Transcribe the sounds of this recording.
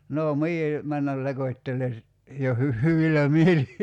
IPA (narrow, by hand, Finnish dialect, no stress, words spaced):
noˑ mie mænːæl lekotʲtele si jo hy hyʋilæ mieli